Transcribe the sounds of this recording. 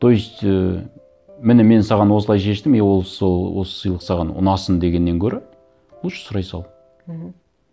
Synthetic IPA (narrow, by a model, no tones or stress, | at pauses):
t̪ʰojst̪ | mɪnɪme̞nsɑʁɑnwo̞s̬əlˠɑjʃe̞ʃt̪ɪmewolˠowo̰sə̥sijlˠəqsɑʁɑnʊ̰nɑsənd̪e̞ɡʲe̞nːe̞ŋkʲʰɵɾɪ | wolˠʃə̥sʊɾɑjsɑlˠ